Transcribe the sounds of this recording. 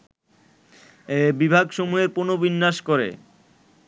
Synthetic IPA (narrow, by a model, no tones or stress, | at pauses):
ebibʱaɡʃomuɦeɾponobinːaʃkoɾḛ